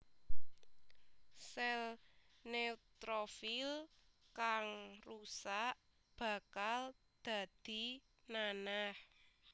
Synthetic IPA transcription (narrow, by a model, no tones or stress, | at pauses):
sɛlneut̪ɾofil | kaŋrusaʔ | b̥ä̤kal | d̪̥a̤d̪̥i̤ | nanah